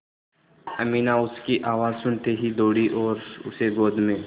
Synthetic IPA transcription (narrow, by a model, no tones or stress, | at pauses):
ɐmiːnaʊskiʔaːʋaːzsʊɳt̪eɦid̪oːɽiʔɔːɾʊseɡoːd̪mẽː